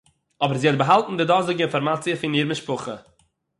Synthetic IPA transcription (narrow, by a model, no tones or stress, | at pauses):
ɔbəɾziːɔt̚bəɦalˠtn̩dɪdɔːzɪɡəɪnfɔɾmat͡siəfɪniːɾmɪʃpʊχə̰